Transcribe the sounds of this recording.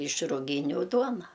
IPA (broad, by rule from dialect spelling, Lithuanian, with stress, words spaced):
ɪʃ rʊˈɡʲiːnʲʊ ˈduɔnɐ